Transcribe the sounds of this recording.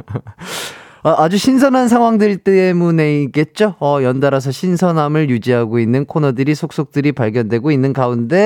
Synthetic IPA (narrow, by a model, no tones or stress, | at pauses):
ʌʔad͡ʑuɕʰins̬ʰʌnɦans̬ʰaŋɦwaŋdɯɭt͈ɯemune̞ik͈e̞t̚t͡ɕ͈oʌjʌndaɾas̬ʰʌɕʰinsʰʌnɦamɯɭjud͡ʑiɦaɡoinːɯnkʰonʌdɯɾisʰok̚s͈ok̚t͈ɯɾipaɭɡjʌndwe̞ɡoinːɯnɡaunde̞